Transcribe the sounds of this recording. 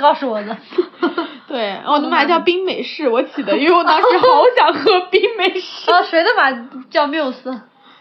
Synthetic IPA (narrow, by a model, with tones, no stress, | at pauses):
kɑ˥˧ʊʂu˨˩wɔ˨˩d̪ə˦ | t̪we˥˩ɪ˧˥wɔ˨˩nɤ˧˥ŋla˧˥t͡ɕjɑ˥˩ʊpi˥ŋme˨˩ɪʂɻ̩˥˩wɔ˧˥t͡ɕʰi˨˩d̪ə˦y˥e˧˩wɔ˨˩t̪ɑ˥ŋʂɻ̩˧˥xɑ˧˥˧ɕjɑ˨˩ŋxɤ˧˥pi˥ŋme˨˩ɪʂɻ̩˥˧ʂwe˧˥ɪd̪ə˧ma˨˩t͡ɕjɑ˥˧ʊm˧jo˨˩sɹ̩˥